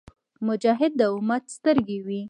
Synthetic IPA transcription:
mʊd͡ʒɑɦɪd̪̚ːəʊmat̪st̪əɾɡewi

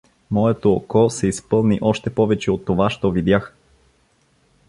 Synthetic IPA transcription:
mɔɛt̪oːkɔsɛispɤlˠniʔɔʃt̪ɛpɔvɛt͡ʃɛot̪ːovaʃt̪ɔvid̪jax

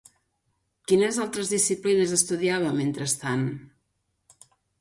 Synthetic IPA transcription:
kinəzalˠt̪ɾəzðisiplinəzəst̪uðiaβ̞əment̪ɾəst̪an

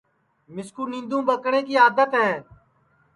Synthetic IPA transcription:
mɪskuːnĩnd̪ũːbəkɽẽːkiːaːd̪ət̪ɦɛː

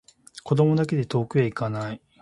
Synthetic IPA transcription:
kod̪o̞mo̞d̪ak̬e̞d̪e̞t̪o̞ːkɯ̟eikanai

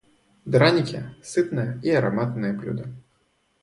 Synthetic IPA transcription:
d̪ɾanʲikʲɛsɨt̪nɐjɐiɐɾa̰mat̪nɨjɐblʲṵd̪ɐ

